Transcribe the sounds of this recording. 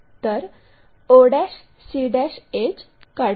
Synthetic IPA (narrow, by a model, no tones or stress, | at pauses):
t̪əɾ | oɽaɕ | siɽaɕed͡ʑ | ka